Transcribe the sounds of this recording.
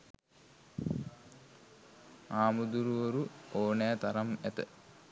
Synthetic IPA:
aːmud̪uɾuʋoɾuoːnejat̪aɾamæt̪ə̰

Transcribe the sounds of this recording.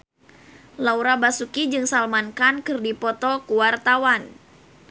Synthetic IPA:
lauɾabasukid͡ʒɨŋsalmankankɨrdipɔt̪ɔkuwart̪awan

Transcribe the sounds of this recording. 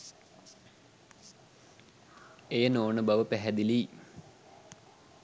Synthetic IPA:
ejənoːnɨbɐʋəpɛɦɛd̪iliː

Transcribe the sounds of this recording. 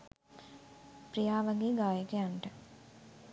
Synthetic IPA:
pɾijaːʋaɡeːɡaːjəkəjaɳʈə

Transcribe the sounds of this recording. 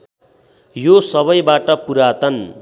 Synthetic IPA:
josʌβʌjbaʈʌpuɾat̪ʌn

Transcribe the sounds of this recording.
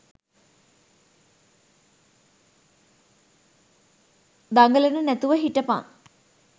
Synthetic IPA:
d̪ɐŋɡɐlɐnɨnet̪ːuʋɐɦiʈːɐpːa̰ːn

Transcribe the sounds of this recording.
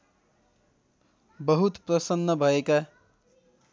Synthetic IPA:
bəɦut̪pɾʌsənːʌbʱʌeka

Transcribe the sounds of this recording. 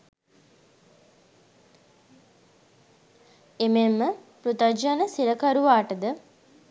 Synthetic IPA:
ememːəpɾut̪ad͡ʒanəsiɾəkaɾuʋaːʈəd̪ə

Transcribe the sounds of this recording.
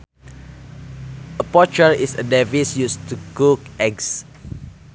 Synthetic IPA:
əpɔt͡ʃəlisədɛvisjustukukɛɡs

